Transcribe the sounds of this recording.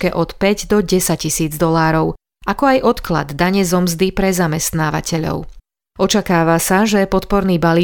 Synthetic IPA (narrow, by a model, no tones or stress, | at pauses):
kɛʔɔt̪pɛɟd̪ɔɟɛsaccisiːd͡zd̪ɔlaːɾɔʊ | ʔakɔajʔɔt̪kla̰d̪ːaɲɛzɔmzd̪ipɾɛzamɛst̪naːʋa̰cʰɛʎɔ̰ʊ | ɔt͡ʃakaːʋasaʒɛpɔt̪̚pɔɾniːbaliː